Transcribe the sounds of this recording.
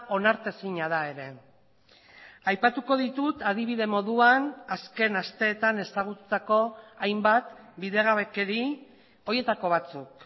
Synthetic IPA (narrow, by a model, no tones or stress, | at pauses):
ʔo̞naɾt̪esiɲaðae̞ɾe̞ | ajpat̪uko̞ðit̪ut̪aðiβ̞iðe̞mo̞ðuanaske̞nast̪e̞ːt̪ane̞saɣ̞ut̪u̥t̪ako̞ajmbat̪ | biðe̞ɣaβe̞keɾi | o̞je̞t̪ako̞β̞at͡suk̚